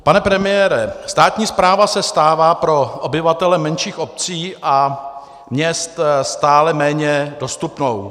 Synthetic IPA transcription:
panɛpɾɛmɪjɛːɾɛst̪aːt̪ɲiːspɾaːvasɛst̪aːvaːpɾo̞ʔobɪvat̪ɛlɛmɛnʃiːxʔo̞p̚t͡siːʔa | mɲɛst̪st̪aːlɛmɛːɲɛdo̞st̪upno̞w

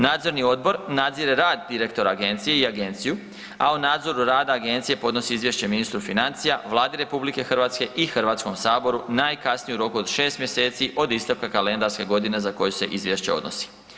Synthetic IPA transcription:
naːd̪zo̞ɾnio̞d̪̚bo̞ɾnad̪ziɾeɾaːd̪ːiɾe̞kt̪o̞ɾaːɡe̞nt̪sije̞iaɡe̞nt̪siju | aunaːd̪zo̞ɾuɾaːd̪aːɡe̞nt̪sije̞po̞d̪no̞siizʋje̞ʃt͡ɕe̞minist̪ɾufinant̪sijaʋlˠaːd̪eɾe̞publike̞xr̩ʋaːt̪ske̞ʔixr̩ʋaːt̪skomsaːbo̞ɾunajkasnijuɾo̞kuod̪ʃe̞ːst̪mje̞se̞ːt̪siʔo̞d̪ist̪aʋkakale̞nd̪aɾske̞ɡo̞d̪ine̞zako̞jese̞̰ʔizʋje̞ʃt͡ɕeo̞̰d̪no̰si̥

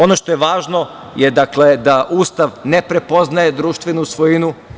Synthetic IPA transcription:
o̞no̞ʃt̪o̞jeʋaːʒno̞ | jed̪akle̞d̪aʔuːst̪aʋne̞pɾe̞po̞znaje̞d̪ɾuːʃt̪ʋenusʋojinu

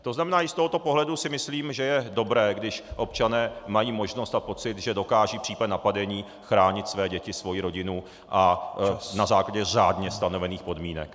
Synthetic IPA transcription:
t̪o̞znamɛnaːɪst̪o̞ɦot̪o̞po̞ɦlɛdusɪmɪsliːmʒɛjɛdo̞bɾɛːɡdɪʃʔo̞pt͡ʃanɛːmajiːmo̞ʒno̞st̪apo̞t͡sɪt̪ʒɛdo̞kaːʒiːpr̥iːpadnapadɛɲiː | xɾaːɲɪt̪svɛːɟɛcɪsvo̞jiɾo̞ɟɪnu | ʔa | nazaːklaɟɛraːdɲɛst̪anovɛniːxpo̞dmiːnɛ̰k

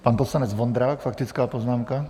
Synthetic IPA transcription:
paːnpɔt̪slanɲɛd͡zʋɔnd̪ɾaːkfakt̪it͡skaːpɔznaːmka

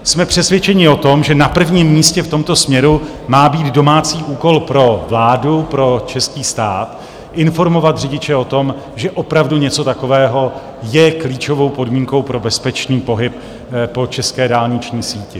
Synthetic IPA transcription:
smɛpr̝̥ɛsvjɛt͡ʃɛɲɪo̞t̪o̞mʒɛnapr̩vɲimːiːscɛft̪o̞mt̪o̞smɲɛɾu | maːbiːd̪do̞maːt͡siːʔuːko̞lpɾo̞vlaːdupɾo̞t͡ʃɛskiːst̪a̰ːt̪ | ʔɪnfo̞ɾmo̞vat̪rɪɟɪt͡ʃɛo̞t̪o̞m | ʒɛʔo̞pɾavduɲɛt͡so̞t̪akovɛːɦo̞ | jɛkliːt͡ʃo̞vo̞wpo̞dmiːŋko̞wpɾo̞bɛspɛt͡ʃniːpoɦɪp | po̞t͡ʃɛskɛːdaːlɲɪt͡ʃɲiːsiːcɪ

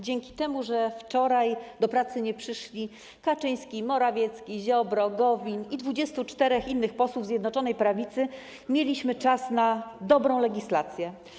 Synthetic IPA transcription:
d͡ʑɛŋkʲi̥t̪ɛmuʐɛft͡ʂɔɾajd̪ɔpɾat̪sɘɲɛpʂɘʂlʲi | kat͡ʂɘj̃skʲimɔɾavʲjɛt̪skʲiʑɔbɾɔɡɔvʲinid̪vud͡ʑɛst̪ut͡ʂt̪ɛɾɛxinːɘxpɔswuvzʲjɛd̪nɔt͡ʂɔnɛjpɾavʲit̪sɘ | mʲjelʲiɕmɘt͡ʂasnad̪ɔbɾɔ̃w̃lɛɡʲislat̪sʲjɛ

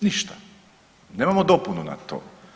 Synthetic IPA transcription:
niʃt̪ḁ | neːmamod̪opununa̰t̪o̰ː

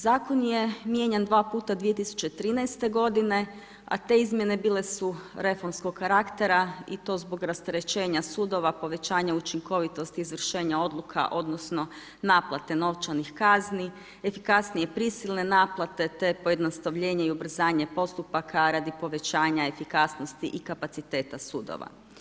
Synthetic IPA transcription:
zaːko̞nje̞mje̞ɲend̪ʋaːpuːt̪ad̪ʋije̞t̪isu̥t͡ɕe̞t̪ɾiːnajst̪e̞ɡo̞d̪ine̞ | a̰t̪e̞izmje̞ne̞biːle̞suɾe̞fo̞ɾmsko̞ɡkaɾakt̪e̞ɾait̪o̞ːzbo̞ɡɾast̪eɾe̞t͡ɕe̞ːɲasuːd̪o̞ʋapo̞ʋe̞t͡ɕaːɲaut͡ʃiŋko̞ʋit̪o̞st̪iːzʋr̩ʃe̞ːɲao̞d̪lˠukʰa̰ʔo̞d̪no̞sno̞ | naːplˠat̪e̞no̞ʋt͡ʃanixkazni | efikasnije̞pɾisilˠne̞naːplˠat̪e̞t̪e̞poje̞d̪nost̪aʋʎe̞ːɲaiubr̩zaːɲepo̞st̪upakʰaɾad̪ipo̞ʋe̞t͡ɕaːɲae̞fikasnost̪iʔikapat̪sit̪e̞ːt̪asuːd̪o̰ʋa̰

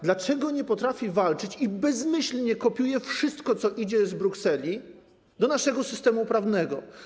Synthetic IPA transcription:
d̪lat͡ʂɛɡɔɲɛpɔt̪ɾafʲivalt͡ʂɘt͡ɕibɛzmɘɕlɲɛkɔpʲjujɛfʂɘst̪kɔt̪sɔʔid͡ʑɛzbɾuksɛlʲi | d̪ɔnaʂɛɡɔsɘst̪ɛmupɾavnɛɡɔ

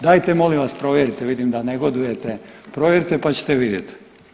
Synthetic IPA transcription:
d̪aːjt̪emo̞limʋaspɾo̞ʋje̞ɾit̪eʋid̪imd̪aneɡo̞d̪uje̞t̪epɾo̞ʋjeɾit̪epat͡ɕe̥t̪eʋid̪jet̪

